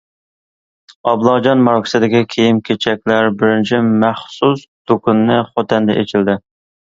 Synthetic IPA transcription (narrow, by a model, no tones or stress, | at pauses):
ɑblˠɑd͡ʒɑnmɑɾkʰʲɪ̥sɨd̪ɪkʲikʲʰejimkʲʰet͡ʃʰɛk̚ʲlæɾbɪɾɪnt͡ʃʰɪmæχsusd̪̥okunːɨχot̪ɛnd̪ɛʔet͡ʃʰɪld̪ɪ